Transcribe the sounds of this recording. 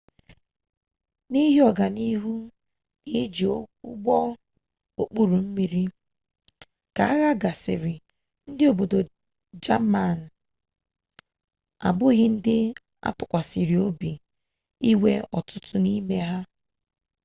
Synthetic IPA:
ni˦ɦi˦ɔ˨ɡa˨ni˦ɦu˦ | ni˦d͡ʒi˨˦ɡ͡bɔ˦ | o˨k͡pu˦ɾu˨m̩˦mi˦ɾi˦ | ka˨a˦ɣa˦ɡa˨sɪ̰˨ɾɪ˨ | n̩˦dɪ˦o˨bo˨do˨ | d͡ʒa˦ma˦˨n̩˨ | a̰˨bʊ˦ɣɪ˦n̩˦dɪ˦ | a̰˦pʊ˨kʷa˨si˨ɾi˨o˦bi˨ | i˦we˦ɔ̰˨tʊ˦tʊ˦ni˦me˦ɦa˦

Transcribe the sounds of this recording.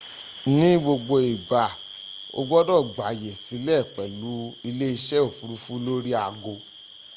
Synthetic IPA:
nĩ˦ɡ͡bo˧ɡ͡bo˧i˨ba˨ | o̰˧ɡ͡bɔ˦dɔ˦˨ɡ͡ba˨je˨si˨˦lɛ˦˨k͡pɛ˨lu˨˦i˧le˦i˧ʃɛ˦o˨fu˨˧ɾu˧fu˦lo˦ɾi˦a˧ɡo˧

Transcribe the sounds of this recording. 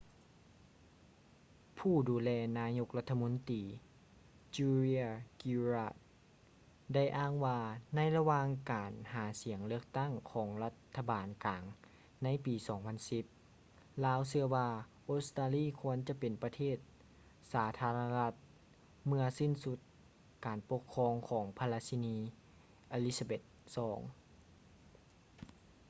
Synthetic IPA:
pʰuː˥˩duː˨˦lɛː˧naː˧˥ɲo˧˥k̚la˧t̪ʰːa˧mo˧˥nt̪iː˨˩ | t͡ɕuː˧ɾi˧ki˧ɾaː˧˩t̪̚ | da˥˩jʔaː˧˥˩ŋwaː˧na˧˥˨jla˧waː˧ŋkaː˨nhaː˩˦si˨˩˦əŋlɯ˥˩ək̚t̪a˥˩ŋkʰɔː˩˦ŋla˧˥t̪ʰːa˧baː˨˩nkaː˨˩ŋ | na˧˥˨jpiː˨˩sɔː˨˩˦ŋpʰa˧˥nsi˧˦p̚ | laː˧˥wsɯ˧ɐwaː˧ʔoː˧˦˥st̪aː˧liː˥˨kʰu˧˥ənt͡ɕa˧˦pe˨˩npa˧t̪ʰeː˥˩t̪̚ | saː˨˩˦t̪ʰaː˧la˧a˧la˧˥t̪̚ | mɯ˧ɐsi˧˥˩nsu˧˥t̪̚ | kaː˨˩npo˧kʰːɔː˧ŋkʰɔː˩˦ŋpʰa˧la˧si˧niː˧˥ | ʔa˧li˦˧˥sa˧be˧˩t̪̚sɔː˩˦ŋ

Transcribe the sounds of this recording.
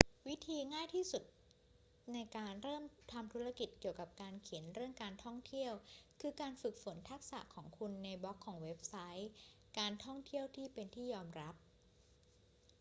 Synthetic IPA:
wi˦˥t̪ʰiː˧ŋaː˥˩jt̪ʰiː˥˩su˨˩t̪̚ | na˧jkaː˧nɾɤː˥˩mt̪ʰa˧mt̪ʰu˦˥ɾa˥˧ki˨˩t̪̚ki˨˩əwka˨˩p̚kaː˧nkʰi˨˩˦nɾɯ˥˩əŋkaː˧nt̪ʰɔ˥˩ŋt̪ʰi˥˩əwkʰɯː˧kaː˧nfɯ˨˩k̚fo˩˦nt̪ʰa˦˥k̚sa̰˨˩ʔkʰɔː˩˦ŋkʰu˧nːa˧jbɔ˦˥kʰːɔː˩˦ŋwe˦˥p̚sa˦˥j | kaː˧nt̪ʰɔ˥˩ŋt̪ʰi˥˩əwt̪ʰiː˥˩pe˧nt̪ʰiː˥˩jɔː˧mɾa˦˥p̚

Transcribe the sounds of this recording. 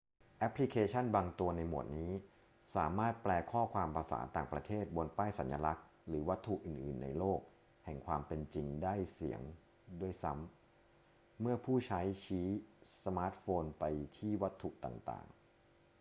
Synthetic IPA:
ʔɛ˦˥pʰːli˦˥kʰeː˧t͡ɕʰa˥˩nbaː˧ŋt̪u˧ɐna˧jmu˨˩ət̪̚niː˦˥ | saː˩˦maː˥˩t̪̚plɛː˧kʰɔː˥˩kʰwaː˧mpɾa˧sa̰ː˩˦nt̪aː˨˩ŋpɾa˧t̪ʰeː˥˩t̪̚bo˧npaː˥˩jsa˩˦nja˧la˦˥k̚ | ɾɯː˩˦wa˦˥t̪ʰːu˨˩ʔɯː˨˩nʔɯː˨˩nːa̰˧jloː˥˩k̚ | hɛ˨˩ŋkʰwaː˧mpe˧nt͡ɕi˧ŋdaː˥˩jsi˩˦əŋ | du˥˩əjsa˦˥m | ɯ˥˩ɐpʰuː˥˩t͡ɕʰa˦˥jt͡ɕʰiː˦˥sa˧maː˦˥t̪̚foː˧npa˧jt̪ʰiː˥˩wa˦˥t̪ʰːu˨˩ʔt̪a̰ː˨˩ŋt̪a̰ː˨˩ŋ

